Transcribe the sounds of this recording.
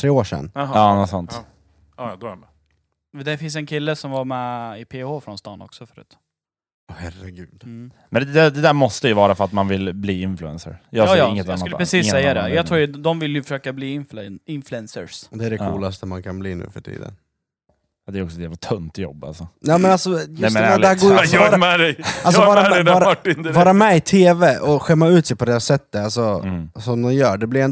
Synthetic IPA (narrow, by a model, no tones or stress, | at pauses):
t̪ʰɾeːoːʂɛ̰nɑːnɔt̪sant̪ː | d̪ | d̪ɛfɪns̬ɛnkʰɪlːəsɔmvaɾmɛɪpʰeːoːfɾɔnst̪ɑːnɔ̰ksɔfœɾʉ̰ːt̪ | ɔhærəɡʉːd̪mɛnd̪ɛd̪æd̪ɛd̪æːɾmɔst̪əjɵvɑːɾafœɾat̪manvɪlbliːɪnflʉɛ̰nsə̰ɾjɑːɪŋːət̪anːaɾɛsiːsɪːɛjːad̪ɛjɑt̪ɾuːɾjd̪ɔmvɪlːjɵfœʂøːkabliːɪnfɪnflʉɛnsəsd̪ɛæɖɛkʰːṵːlast̪əmankʰanbliːnʉ̟̰ːfœ̰ʈʰḭːd̪ə̰n | d̪ɛjɔksɔd̪ɛvaʈʰɵnt̪jɔ̰bːa̰lsɔjɑːmɛnalsɔjɵɛmɛd̪ɛhæɡoːjːmɛdɛalsɔvɑːɾad̪ɑːɾaaʈːɪnɑːɾamɛɪt̪ʰeːvɛɔɧɛmːaʉ̟ːt̪sɛjpʰɔd̪ɛɛsɛt̪ːət̪alsɔsɔmd̪ɛmjœːɖɛblɪɾɛn